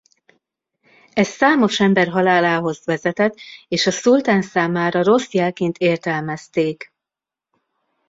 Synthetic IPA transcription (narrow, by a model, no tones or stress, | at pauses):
ɛsːaːmo̞ʃɛmbɛrɦɒlaːlaːɦo̞zʋɛzɛt̪ɛt̪ːeːʃɒsult̪aːnsaːmaːɾɒro̞sjɛlkeːnt̪eːrt̪ɛlmɛst̪eːk